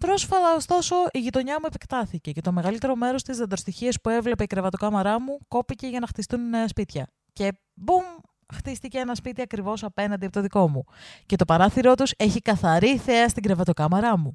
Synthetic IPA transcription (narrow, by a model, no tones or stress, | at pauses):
pɾo̞sfɐt̪ɐo̞st̪o̞so̞ʔiʝit̪o̞ɲɐmuepe̞kt̪ɐθice̞ce̞t̪o̞me̞ɣɐlit̪e̞ɾo̞me̞ɾo̞st̪izðɐd̪ɾost̪içiɐspue̞vle̞pe̞ikɾevɐt̪o̞kɐmɐɾɐmuko̞pice̞ʝɐnɐxt̪ist̪unneɐspit̪çɐ | ce̞ | bum | xt̪ist̪iceenɐspit̪iɐkɾivo̞sɐpe̞nɐnd̪iɐpot̪oðiko̞muce̞t̪o̞pɐɾɐθiɾo̞t̪use̞çikɐθɐɾiθe̞ɐst̪iɡɾevɐt̪o̞kɐmɐɾɐmu